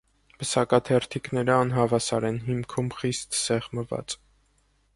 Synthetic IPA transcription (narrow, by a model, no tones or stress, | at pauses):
bəsɑkɑt̪ʰɛrt̪ʰiknɛɾəɑnɦɑvɑsɑɾɛnɦimkʰumχist̪sɛʁməvɑ̰t͡s